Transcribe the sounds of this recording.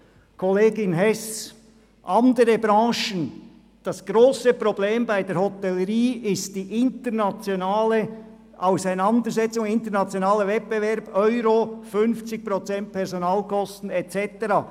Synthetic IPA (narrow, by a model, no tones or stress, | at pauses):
kʰoleːɡɪnɦɛs | ʔɑndəɾəbɾɑ̃ːʃən | d̥ɑsɡ̥ɾoːsəpʁobleːmbaɪdeːɐɾhɔtɛləɾiːɪst̚d̥iːʔɪntənat͡sjonaːlə | ʔaʊsaɪnɑnd̪əɾzɛt͡sʊŋɪntəɾnaɑt͡sjonaːləvɛt̚b̥evɛɾb̥œʏɾofʏnft͡sɪk̚pʁot͡sɛnt̚pʰɛʁzonaːlkɔstn̩ɛt͡sɛtəɾaː